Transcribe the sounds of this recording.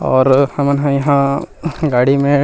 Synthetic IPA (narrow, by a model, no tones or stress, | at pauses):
ɔːɾhɐmənɦãjɐɦãɡaːɽimẽ